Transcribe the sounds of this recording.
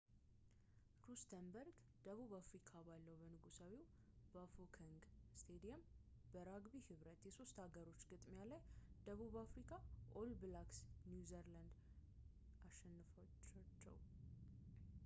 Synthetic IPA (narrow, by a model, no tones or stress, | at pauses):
ɾust̪ʰəmbəɾɡ | d̪̥əβuβafɾikʰabalːəwbənɨɡusawiw | bafokʰəŋɡst̪ʰed̪ijɛmbəɾaɡbihɨβɾət̪jɛso̞st̪haɡəɾo̞t͡ʃːɡɨt̪ʼmalajd̪̥əβuβafɾikʰaʔolblaksnjuzəɾland̪ | aʃɛnːɨf | at͡ʃːɛ̰w